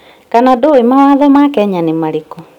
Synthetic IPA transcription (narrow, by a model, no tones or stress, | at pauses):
kanadɔemawaðɔmakɛɲanemaɾekɔ